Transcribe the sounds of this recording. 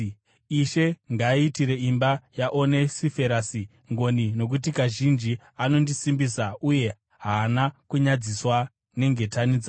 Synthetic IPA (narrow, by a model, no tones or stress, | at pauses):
iʃe̞ŋɡaiːtiɾe̞imbajaʔo̞ne̞sife̞ɾasi | ŋɡo̞nino̞k̬utikaʒind͡ʒi | ano̞ndisimbisauje̞ | ɦaːnakuɲad͡ziswa | ne̞ŋɡe̞tanid͡za